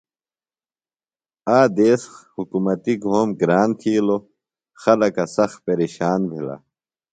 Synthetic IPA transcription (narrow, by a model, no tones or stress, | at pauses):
aːd̪eːshukumɐt̪iɡʱoːmɡɾaːnt̪ʰiːlo | xɐlɐkɐsɐxpeɾeːɕaːnbʱila̰